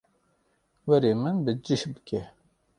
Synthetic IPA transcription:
wɛɾeːmɨnbɨd͡ʒiʃbɨ̥kʰɛ

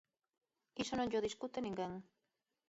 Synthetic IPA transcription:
isonõŋʎoðiskut̪enĩŋɡeŋ

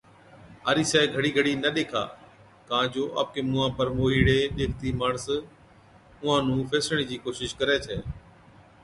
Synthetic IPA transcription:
aːɾiːsɛːɡʱəɽiːɡʱəɽiːnəɗeːkʰa̰ː | kãːd͡ʒoːʔa̰ːp̚keːmʊãːpəɾmoːiːɽeːɗeːkʰt̪iːməɳs | ʊãːnũːpʰeːsɽ̃iːd͡ʒiːkoːʃɪʃkəɾeːt͡ʃʰeː

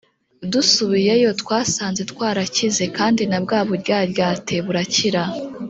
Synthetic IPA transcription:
dusuβije̞jo̞twaːsaːnzetkwaːɾacize̞kaːndinabɡaːβoɾɟaːɾɟaːtʰe̞βuɾaciɾa

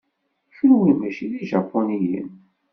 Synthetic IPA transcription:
ʃənwimæʃiðiʒɑpːonijə̰n

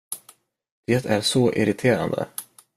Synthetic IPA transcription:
d̪̥eːt̪ʰæɾʂɔʔɪɾɪt̪ʰeːɾa̰nd̪ə̰

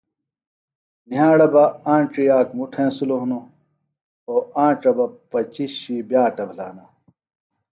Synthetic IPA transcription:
niɦãːɽɐbɐãːʈ͡ʂijaːkmuʈʰẽːsuloɦno | oːãːʈ͡ʂɐbɐpɐt͡ɕiɕibjaːʈɐbʱlaːnɐ

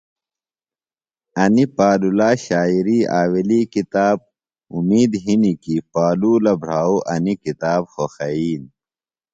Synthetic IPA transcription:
ɐnipaːlulaːɕaːiɾiːaːweliːkit̪aːb̚ | umiːd̪ɦinikipaːluːlɐbʱɾ̤aːoʔɐnikit̪aːbxoxɐiːn

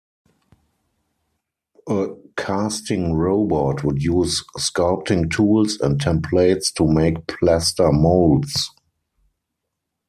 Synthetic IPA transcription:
ʔəkʰastɪ̃ŋɹoʊbɔtʰwʊdjuːsskɔltɪ̃ŋtʰuːlsɛ̃nttʰɛ̃mpʰleɪtstʰumeɪkpʰlæstə˞moʊlds

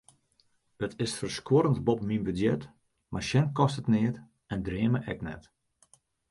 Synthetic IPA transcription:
ətʰɪsfərskoɾəntbɔpminbydjɛt | marʃɛnkɔstətnɪət | ɛndrɪəməʔɛknɛ̰t

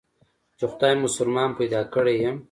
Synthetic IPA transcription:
t͡ʃexʊ̥d̪ɑːjmʊsʊlmɑːnpajd̪ɑːkəɽejem

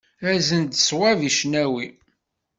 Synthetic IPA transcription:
æzənd̪swæviʃnæwi

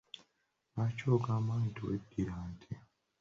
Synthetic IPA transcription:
βacoːɡaːmaːntṵwḛɡːiɾaːntʰi

